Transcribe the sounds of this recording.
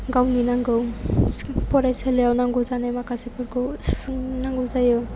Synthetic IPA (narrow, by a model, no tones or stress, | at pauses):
ɡawninaŋɡɯw | pɔɾajsalejawnaŋɡɔzanajmakasepɔɾko | naŋɡɯwzajo